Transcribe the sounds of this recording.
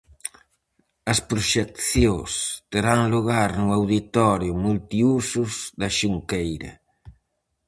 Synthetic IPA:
ɐspɾuʃɛkθjost̪eɾaŋluɣaɾnʊawðit̪ɔɾjʊmult̪iusʊzðɐʃuŋkejɾɐ̰

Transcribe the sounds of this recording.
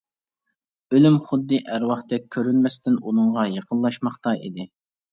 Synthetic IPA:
ølymχʊd̪ːɨʔæɾwɑχt̪ɛk̚ʲʰːøɾynmɛst̪ɪnunɨŋʁɑjeqʰənˠlˠɑʃmɑχt̪ɑʔḭd̪ɪ

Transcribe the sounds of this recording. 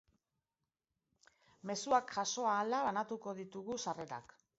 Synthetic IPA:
me̞suakʝaso̞aːlalanat̪uko̞ðit̪uɣusare̞ɾa̰k

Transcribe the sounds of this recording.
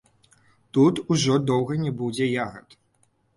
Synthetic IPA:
t̪ut̪uʐɔd̪ɔwɣɐnʲɛbud͡zʲɛjaɣɐ̰t̪

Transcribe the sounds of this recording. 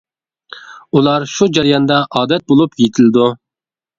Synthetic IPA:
ulˠɑɾʃud͡ʒɑɾijɑnd̪ɑʔɑːd̪ɛt̪̚bolˠupjet̪ʰɪlɪd̪u

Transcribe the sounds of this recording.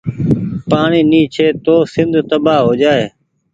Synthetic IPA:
paːɳiːniːt͡ʃʰeːt̪oːsɪnd̪ʱt̪əbaːɦoːd͡ʒaːeː

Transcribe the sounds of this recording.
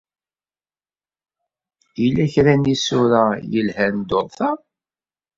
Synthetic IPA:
ilːæçɾænisʊɾajəlhænd̪oðˤθɑ

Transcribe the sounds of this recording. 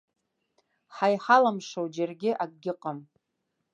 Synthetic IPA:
ħajħalamʂowd͡ʒarɡʲɪʔaɡ̚ʼɡʲɪqʼam

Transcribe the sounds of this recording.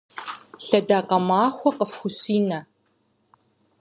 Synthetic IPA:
ɬɐdaːqɐmaːxʷɔqəfxʷʊɕʼiːnɐ

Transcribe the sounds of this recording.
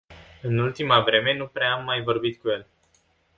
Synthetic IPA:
ɨnult̪imavɾe̞me̞nupɾeamːajvo̞rbit̪kuje̞l

